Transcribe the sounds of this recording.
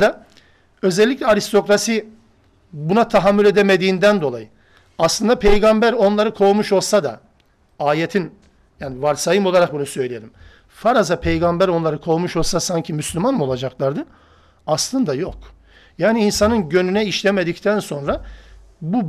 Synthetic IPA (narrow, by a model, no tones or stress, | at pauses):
d̪a | ø̞zɛlʲːicʲlʲɛaɾist̪ʰo̞kɾasi | bunat̪ʰaɦamːylʲe̞d̪emed̪iːnd̪ænd̪o̞lˠa̰jɯ | aslˠɯnd̪apʰejɡambæɾo̞nlˠaɾɯkʰo̞ːmuʃo̞lˠsad̪a̰ | aːjet̪ʰin | jaːnivaɾsajɯmo̞lˠaɾak̚bunusø̞jlʲijeɾim | faɾazapʰejɡambæɾo̞nlˠaɾɯkʰo̞ːmuʃo̞lˠsasaɲcʰimyslʲymanmo̞lˠad͡ʒaklˠaɾd̪ɯ | aslˠɯnd̪ajok | jaːniːnsanɯnɟø̞nynɛiʃlʲemed̪ict̪ʰænso̞nɾa | bu